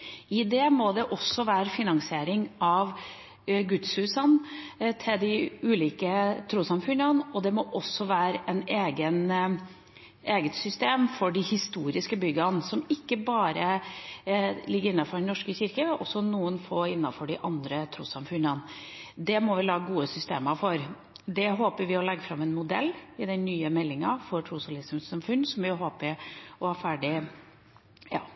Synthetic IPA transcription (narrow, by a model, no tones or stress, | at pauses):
ɪd̪eːmɔd̪ɛʔɔsːɔʋæːɾəfɪnɑŋsɪeːɾɪŋɑʋ | ɡʉt̪shʉːsənt̪ʰɪld̪ɪʉːliːkət̪ʰɾuːsɑmfʉnənɔd̪ɛmɔʔɔsːɔʋæːɾəʔɛneːɡən | eːɡət̪sʏst̪eːmfɔɖɪhɪst̪uːɾɪskəbʏɡɑnsɔmɪkːəbɑːɾə | lɪɡːəɾɪnːɑfɔɖɛnɔʂkəçɪɾkəʔɔsːɔnuːənfoɪnːɑfɔɖɪʔɑnd̪ɾət̪ʰɾuːsɑmfʉnɑn | d̪ɛmɔʋɪlɑːɡəɡuːəsʏst̪ḛːmɑfɔɾ | d̪ɛɦoːpəɾʋɪɔlɛɡːəfɾɑmɛnmʊd̪ɛlːɪd̪ɛnːyːəmɛlːɪŋɑfɔɾʈ̪ʰɾuːsɑlɪsmsɑmfʉnːsɔmʋɪɦoːpəɔhæɾfæːɖɪ | jɑ̰ː